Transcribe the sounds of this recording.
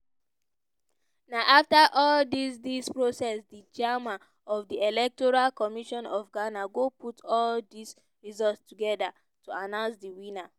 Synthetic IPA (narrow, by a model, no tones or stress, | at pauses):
naʔaftaʔɔldisdispɹosɛsdid͡ʒamã | ɔfdielɛk̚tɔɹalkɔmiʃɔ̃nɔfɡanaɡopʰutɔldis | ɹizɔltstuɡɛda | tuanãʊ̃nsdiwĩna